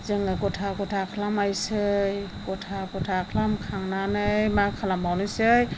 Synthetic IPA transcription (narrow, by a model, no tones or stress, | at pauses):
zɯŋɯkɔtʰakɔtʰakʰlamajsɯjkɔtʰakɔtʰakʰlamkʰaŋnanɯjmakʰalambawnɯjsɯj